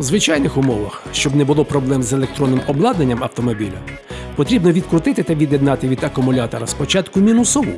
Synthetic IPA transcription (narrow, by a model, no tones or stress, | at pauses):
wzʋɪt͡ʃajnɪxʊmɔʋɐxʃt͡ʃɔbnɛbʊlˠɔpɾɔblˠɛmzelˠek̚t̪ɾɔnːɪmɔblˠɑd̪nenʲːɐmɐwt̪ɔmɔbʲilʲɐ | pɔt̪ɾʲibnɔʋʲid̪kɾʊt̪ɪt̪ɪt̪ɐʋʲid̪ʲjed̪nɑt̪ɪʋʲid̪ɐkʊmʊlʲat̪ɔɾɐspɔt͡ʃɑt̪kʊmʲinʊsɔʋṵ